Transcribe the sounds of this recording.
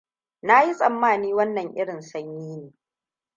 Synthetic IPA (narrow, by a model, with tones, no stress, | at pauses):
na˦ji˦sʼɐ˨mːaː˦˨niː˦wɐ˦nːɐ˨ŋʔɪ˦ɽɪ˨nsɐ˦ɲjiː˦neː˨